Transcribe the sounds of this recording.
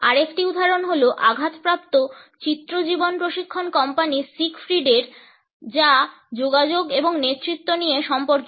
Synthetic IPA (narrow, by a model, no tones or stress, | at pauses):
aɾekʰʈiud̪ʱaɾonɦoloʔaɡʱat̪pɾap̚t̪ot͡ɕit̪ːɾod͡ʑibonpɾoʃikʰːonkɔmpanisikfɾiɖeɾ | d͡ʑa | d͡ʑoɡad͡ʑoɡeboŋnet̪ːɾit̪ːonijeʃɔmpoɾk